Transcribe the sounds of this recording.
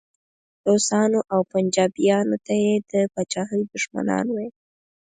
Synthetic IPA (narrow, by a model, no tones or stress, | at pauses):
d̪osɑnoʔawpand͡ʒɑbijɑnot̪ajed̪əpat͡ʃɑɦəjd̪ʊʃma̰nɑ̰nwaj